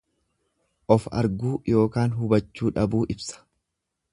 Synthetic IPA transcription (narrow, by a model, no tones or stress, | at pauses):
ʔɔfɐ̰ɾɡuːjo̞ːkaːnɦʊbɐt͡ʃːuːᶑɐbuːʔɪbsɐ̥